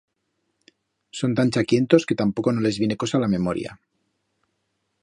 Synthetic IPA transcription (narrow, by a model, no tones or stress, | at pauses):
so̞nt̪ant͡ʃakje̞nt̪o̞ske̞t̪ampo̞ko̞nole̞zβje̞ne̞ko̞salame̞mo̞ɾj̰a̰